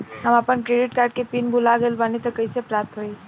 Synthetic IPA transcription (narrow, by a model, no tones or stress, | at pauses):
ɦəməpənkɾeɖiʈkaɾɖ̚kepinbʱulaɡelbanet̪əkəjsepɾap̚t̪ɦoi